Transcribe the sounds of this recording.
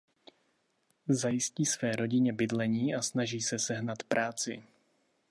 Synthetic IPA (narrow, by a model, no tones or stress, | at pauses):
zajɪsciːsvɛːɾo̞ɟɪɲɛbɪdlɛɲiːasnaʒiːsɛsɛɦnat̪pɾʔaːt͡sɪ̰